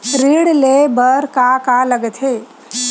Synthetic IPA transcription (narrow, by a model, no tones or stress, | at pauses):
ɾiɽlebəɾkakaləɡɛt̪ʰɦe